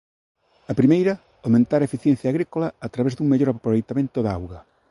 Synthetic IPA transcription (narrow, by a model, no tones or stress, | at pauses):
ɐpɾimejɾɐ | awmẽnt̪aɾɐaefiθjen̟θjaːɣɾikolɐːt̪ɾaβezd̪uŋmeʎoɾapɾoβejt̪amẽnt̪oðawɣɐ